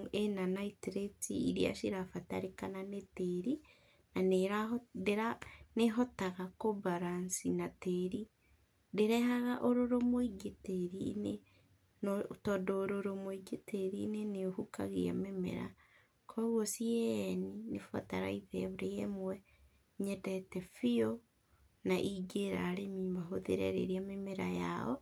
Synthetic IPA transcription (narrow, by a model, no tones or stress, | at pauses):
enanaitɾetiiɾia̰ʃiɾafataɾekananeteɾi | naneɾadeɾaneɦɔtaɣakobaɾansinateɾi | deɾɛɦaɣaʔoɾoɾomoiɡeteɾḭne | ntɔːndɔːɾoɾomoiɡeteɾineneohukaɣḛa̰memḛɾa̰ | kʰɔɣwɔsiɛninefa̰taɾa̰iðɛβoɾejɛmwɛ | ɲɛdɛtɛfio | naʔiɡeɾa̰ɾemimaɦoðḛɾɛ̰ɾḛɾiamemeɾaja̰ɔ̰